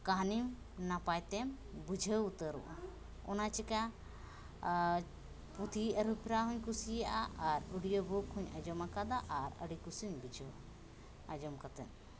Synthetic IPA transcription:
kaɦnim | napajt̪ɛm | bud͡ʒʱəut̪əɾṵʔa | ɔnat͡ʃɛka | put̪ʰiəɾupʰiɾaɦɔɲkusijaʔaʔaɾuɽijɔbɔkʰːuɲad͡ʒɔmakad̪aʔaɾə̰ɽikusiɲbud͡ʒʱə | ad͡ʒɔmkat̪ɛ̰n

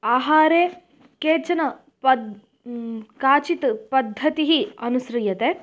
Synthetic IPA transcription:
aːɦaːɾeː | keːt͡ʃɐnɐ | ɐd | kaːt͡ʃit̪pɐd̪ʱːɐt̪iɦiɐnusɾɐjɐt̪e

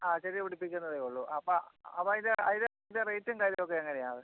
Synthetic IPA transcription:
aːɕɐɾiʋiɽipːikʲːunːɐðeoɭːuɐpːoɐpːɐːind̪eɐiðeind̪erejtːɐŋkaːɾilok̬ːeɐŋːɐnejaːðɨ

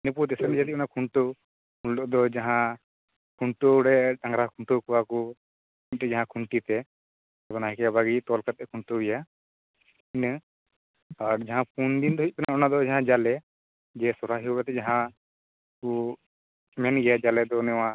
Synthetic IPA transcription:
nəput̪ɛsɛnd͡ʒat̪iɔnakʰuɳʈo | kunlɔʔd̪ɔd͡ʒaɦã | kʰuɳʈoɽɛɗãŋɡɾakʰuɳʈokuwaku | it̪ɛd͡ʒaɦãkʰuɳʈit̪ɛ | ɛbɔnaɦɛ̃kɛabaɡit̪ɔlkat̪̚ɛkʰuɳʈoɛja | in | aɾd͡ʒaɦãp̚und̪ind̪ɔɦic̚ˀpɛnaɔnad̪ɔd͡ʒaɦãd͡ʒalɛ | d͡ʒɛsɔɾaɦiɾɛt̪ɛd͡ʒaɦã | ku | mɛnɡɛjad͡ʒalɛd̪ɔnɛwã

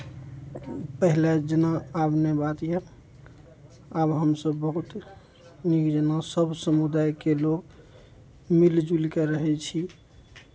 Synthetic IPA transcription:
pəɦiled͡ʒənaːbnebat̪jɛ | abɦəmsəbːəɦut̪ | nikd͡ʒənasəbsəmud̪ajkeloɡ | mild͡ʒulkeɾəɦɛt͡ʃʰi

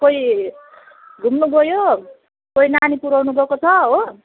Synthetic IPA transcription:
koji | ɡʱumnuɡʱʌjo | koinanipuɾawnubʱʌkot͡sʰʌɦo

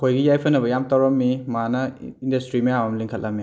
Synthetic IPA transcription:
kʰojɡijajpʰɐnːɐbɐjamtawɾɐmːimanɐindɐstɾimijamɐmliŋkʰɐlʔɐmːi

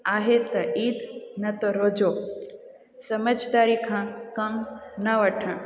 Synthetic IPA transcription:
aːɦet̪ɐiːd̪nɐt̪oɾoːd͡ʒo | sɐməd͡ʒd̪aːɾikʰãkɐmnɐʋɐʈʰə̃

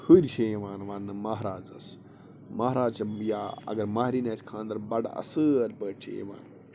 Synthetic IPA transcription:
həɾʲʃejɐʋaːnʋaːnːɨmɐɦɾaːd͡zɐ̰s | mɐɦɾaːd͡zt͡ʃɐjaːɐ̰ɡɐɾmaːɦɾiːnaːskʰãːnd̪ɐɾbɐɽɐ̰sɨɐlʲpəːʈʰḛj̰ʋa̰ːnː

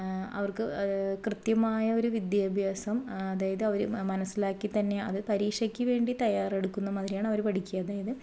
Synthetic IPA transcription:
ɐ̰ʋɐrkɨkrɨt̪jɐmaːjɐo̞ɾuʋid̪jaːbʱjaːsɐmɐðaːjɐðɨɐʋɐɾumɐnɐsːilaːkːit̪ɐnːeɐ̰ðɨpɐɾiːkʂɐkʲːɨʋe̞ːɳɖit̪ɐjaːre̞ɽukːunːɐmɐðiɾijaːɳɐʋɐɾpɐʈikʲːujɐːðaːjɐðɨ

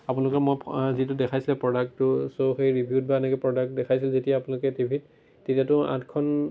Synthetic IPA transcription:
apunalʊkɛmojzitʊdɛkʰajsilɛpɹɔdak̚tʊsoxejɹibʱjut̚baɛnɛkɛpɹɔdak̚tdɛkʰajsilzetijaːpunalʊkɛtibʱit | tetijatʊã̰tkʰɔn

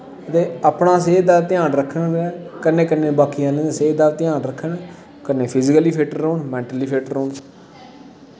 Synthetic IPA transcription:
ət̪eːaːpɳãːs̬eːd̪aːt̪ɪjãːnɾəkʰːəɳɛkənːeːkənːeːbaːkɪjãːnẽseːd̪aːt̪ɪjãːnɾəkʰːəɳ | kənːeːpʰɪzɪkəliːpʰeːʈəɾoːɳmɛ̃ːɳʈəliːpʰeːʈəɾːoːɳ

